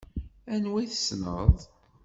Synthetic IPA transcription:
ænwiθəsnə̰ðˤ

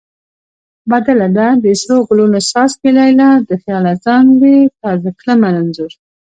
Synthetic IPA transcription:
bad̪alad̪ad̪əsloɡʊlunosɑsmelɑjlad̪əxijɑlazɑŋwet̪ɑzakləmananzuɾ

